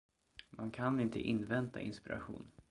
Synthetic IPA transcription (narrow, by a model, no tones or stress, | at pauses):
mankʰanɪnt̪ʰəʔɪnːvɛnt̪aʔɪnspɪɾa̰ɧṵːn